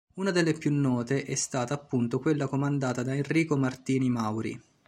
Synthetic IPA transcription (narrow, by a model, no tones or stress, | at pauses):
unad̪elːepjunːɔːt̪eʔɛst̪aːt̪aːpːunt̪okwelːakomand̪aːt̪ad̪aenriːkomart̪iːnimawɾḭ